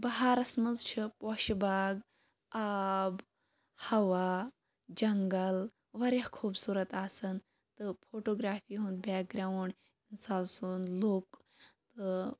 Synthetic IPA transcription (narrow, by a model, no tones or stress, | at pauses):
bɐɦaɾɐsmɐzt͡ʃʰipɔːʃbaːɡ | aːb | hɐʋa | d͡ʒɐŋɡəl | ʋɐɾahkʰuːbsuːɾɐt̪aːsɐn | t̪ɨfʰoːʈoːɡɾaːfiːɦũnd̪baːk̚ɡɾaːwɳɖ | insaːlsunloːk | t̪ɨ